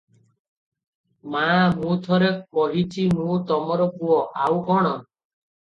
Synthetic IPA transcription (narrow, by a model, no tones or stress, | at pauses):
mamũt̪ʰɔɾek̚pɔɦit͡ʃʰinũt̪ɔmɔɾɔkuɔʔawkɔɽ̃ɔ